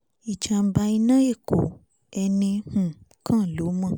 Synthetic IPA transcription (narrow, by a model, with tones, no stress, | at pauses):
i˨t͡ʃa˨˧ba˧i˧nã˦je˦˨ko̰˨ | ɛ˧nĩ˧hũ˨ | kã˦˨lo˨˦mã˦˨